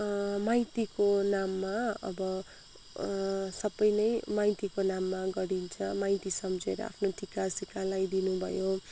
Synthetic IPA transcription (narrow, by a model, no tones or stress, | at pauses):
majt̪ikonamːaʌ̰bʌ | sʌbːʌjnʌjmajt̪ikonamːaɡʌɽint͡sʰʌmajt̪isʌmd͡zeɾʌ̰a̰pʰnoʈʰikasikalajd̪inubʱʌ̰jo